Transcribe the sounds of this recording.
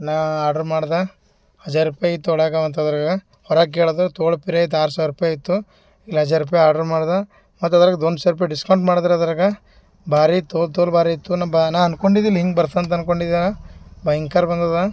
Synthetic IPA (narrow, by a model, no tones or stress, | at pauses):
naːaːɾɖɐɾmaːɽd̪a | hɐd͡ʒaːɾupːajit̪ːuɔɭɐɡaʋɐnt̪ɐd̪ɐɾɐɡɐ | hɔɾaːɡeːɭɐd̪ɐɾt̪oːɭpiɾeit̪ːaːɾsaːʋɾupajit̪ːu | ilːɦɐd͡ʒaːɾupːɐjaːɾɖɐɾmaːɽd̪a | mɐt̪ːɐd̪ɐɾɐɡɐd̪ond̪usaɾup̬ɐjɖiskɐwɳʈmaːɽd̪ɐɾɐd̪ɐɾɐɡɐ | baːɾit̪oːt̪olbaːɾiit̪ːunabnaːɐnkoɳɖid̪ilɦiŋɡbɐɾt̪ɐɐnt̪̬ɐnkoɳɖid̪iabɐjiŋkaɾbɐnd̪ɐd̪a